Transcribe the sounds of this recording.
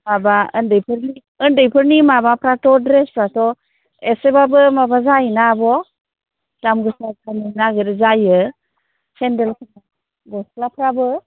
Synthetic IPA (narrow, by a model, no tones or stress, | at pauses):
mabaəndɯjpʰɾni | əndɯjpʰɯɾnimabapʰɾatɔdɾespʰɾatɔ | esebabɯmabazainabɔ | d̥amɡɯsakanɯnaɡɯɾɯzajɯ | sʰendelkʰɯna | ɡɔsklapʰɾabɯ